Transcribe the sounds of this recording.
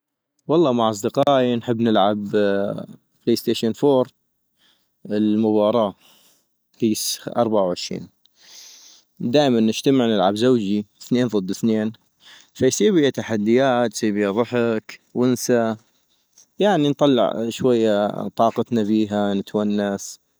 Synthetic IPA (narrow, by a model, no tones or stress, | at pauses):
wɑlˤːɑːmaʕʔɑs̬ˤd̪ɨqɑːʔinħɪbːnɪlʕab | pleːst̪eːʃanfoːɾ | ɪlmʊbɑːɾˤɑː | kiːsʔɑ̰ɾˤbaʕawʕɪʃɾḭːn | d̪aːʔmanːɪʃt̪amɪʕnɪlʕabzawd͡ʒiθneːnðˤɨd̪ːɪθneːn | fajsˤiːbɪjat̪aħad̪ːɪjaːt̪jsˤiːbɪjaðˤʊħakwɪnsa | jaʕnint̪ˤɑlːɪ̰ʕʃwajːat̪ˤɑːqɑt̪nabiːɦanɪt̪wanːas